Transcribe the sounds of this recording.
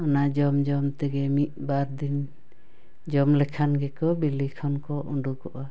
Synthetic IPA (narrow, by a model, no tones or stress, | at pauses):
ɔnad͡ʒɔmd͡ʒɔmt̪ɛɡɛmit̪̚ˀbaɾd̪in | d͡ʒɔmlɛkʰanɡɛkɔbilikʰɔnkɔʔuɳɖukɔʔa